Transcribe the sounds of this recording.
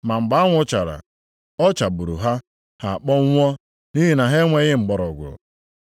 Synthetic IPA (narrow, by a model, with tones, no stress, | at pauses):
ma˨m̩˨ɡ͡ba˨˦ŋʷʊ˦t͡ʃa˨ɾa̰˨ | ɔ˦t͡ʃa˨bu˨ɾṵ˨ɦa˦ | ha˨k͡pɔ˦ŋ̩ʷ˦ɔ˦ | ni˦ɦi˨na˨ɦe˦ŋʷe˦ɣɪ˦ŋ͡m̩˨ɡ͡bɔ˨ɾɔ˨ɡʷʊ̰˨